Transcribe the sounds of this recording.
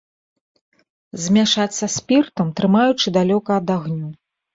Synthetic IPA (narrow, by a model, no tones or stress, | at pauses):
zʲmʲaʂat͡ssʲɐsʲpʲirt̪ɐmt̪ɾɨmajut͡ʂɨd̪alʲɔkɐːd̪aɣnʲu